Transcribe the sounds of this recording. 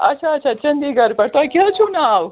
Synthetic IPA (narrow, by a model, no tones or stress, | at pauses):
ɐ̰tt͡ʃʰaːt͡ʃʰat͡ʃɐnd̪iɡɐɾpɐɾt̪akʲet͡ʃʰunaːw